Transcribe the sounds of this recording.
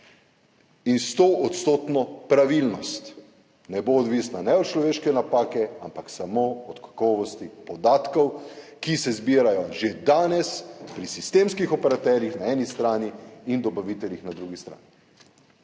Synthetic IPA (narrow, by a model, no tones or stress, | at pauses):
inst̪oːʔɔt̪st̪oːt̪nɔpɾaʋilnɔst̪ | nɛboːd̪ʋiːsnanɛɔt̪t͡ʃlɔʋeːʃkɛnapaːkɛampaksamoɔt̪kḁkɔːʋɔst̪ipɔd̪aːt̪kɔwkisɛzbiːɾajɔʒed̪aːnɛspɾisist̪emskixɔpɛɾat̪ɛɾjixnaɛːnist̪ɾaːniːnd̪ɔbaʋit̪ɛljixnad̪ɾuɡist̪ɾa̰ːni